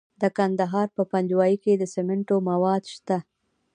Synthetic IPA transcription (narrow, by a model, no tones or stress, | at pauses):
d̪əkand̪aɦɑɾpəpand͡ʒwɑjiked̪əsemɪɳʈomawɑd̪ʃt̪a